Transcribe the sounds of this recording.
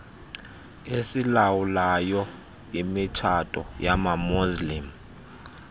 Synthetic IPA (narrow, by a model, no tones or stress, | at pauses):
esilawulajɔ | imit͡ʃʰatʼɔ̰jamamuzlim